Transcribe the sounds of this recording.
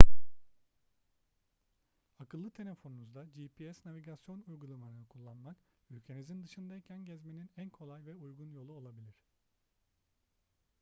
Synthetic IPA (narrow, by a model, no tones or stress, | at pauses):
akɯlˠːɯt̪ʰe̞lʲe̞fo̞nunuzd̪ad͡ʒipʰiɛsnaviɟasjo̞nujɡulˠamaɾɯnɯkʰulˠːanmakylʲcʰe̞nizind̪ɯʃɯnd̪ajicʰænɟɛzme̞ninænkʰo̞lˠajvɛujɡunjo̞lˠuo̞lˠabilʲiɾ̝̥